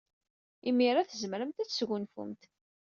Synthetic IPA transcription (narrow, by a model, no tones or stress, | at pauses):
imːiɾˤaθəzəmɾəmt̪æt͡sːsʝʊnfʊ̰mt̪